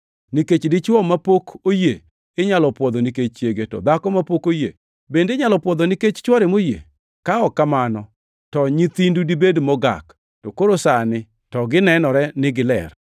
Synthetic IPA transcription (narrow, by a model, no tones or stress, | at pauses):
niket͡ʃdɪt͡ʃwɔmapokoje | ɪɲalɔpwɔd̪ɔniket͡ʃt͡ʃeɡetɔ̰d̪akɔmapokojḛ | bendeɲalɔpwɔd̪ɔniket͡ʃt͡ʃwɔɾemojḛ | kaɔkamanɔ | tɔɲit̪indudibedmɔɡa̰k | tɔkoɾosanɪ | tɔɡɪnɛnɔɾɛnɪɡɪlɛ̰r